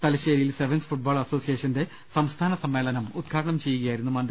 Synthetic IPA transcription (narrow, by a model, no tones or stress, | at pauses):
t̪ɐlɐɕeːɾijilseʋɐnsfuʈ̚baːɭɐso̞ːsijeːʂɐnde̞ | sɐmst̪ʰaːnɐsɐmːe̞ːlɐnɐmud̪̚ɡʰʱaːɽɐɳɐmt͡ɕe̞jːuɣɐjaːjɾunːumɐnd̪